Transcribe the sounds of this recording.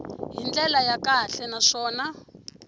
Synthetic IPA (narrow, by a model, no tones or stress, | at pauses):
ɦind͡ɮɛlajakaɬɛnaʂɔːna